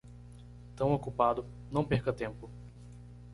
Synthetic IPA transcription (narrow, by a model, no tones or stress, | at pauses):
t̪ɐ̃w̃okupad̪ʊ | nɐ̃w̃peɾkɐt̪ẽmpʊ